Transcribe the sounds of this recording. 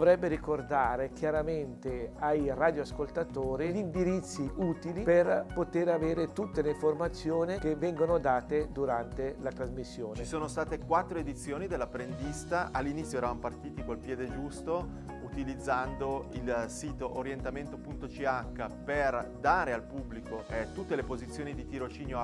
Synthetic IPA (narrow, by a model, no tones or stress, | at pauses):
ovɾɛbːeɾikord̪aːɾek̟jaɾament̪eajraːd̪joaskolt̪at̪oːɾiʎind̪iɾit̪sːiʔuːt̪iliperpot̪eɾaveːɾet̪ut̪ːeleiɱformat̪sːjoːnikevːɛŋɡonod̪aːt̪ed̪uɾant̪elat̪ɾazmisːjoːnet͡ʃsoːnost̪aːt̪ekwat̪ːɾoed̪it̪sːjoːnid̪elːapɾend̪ist̪aʔalːinit̪sːjoɛːɾavamopart̪iːt̪ikolpjɛːd̪ed͡ʒust̪o | ut̪ilid̪zːand̪oilsiːt̪oʔoɾjent̪ament̪opunt̪ot͡ʃiakːaperd̪aːɾealpubːlikoʔɛt̪ːut̪ːelepozit̪sːjoːnid̪it̪iɾot͡ʃiːnjo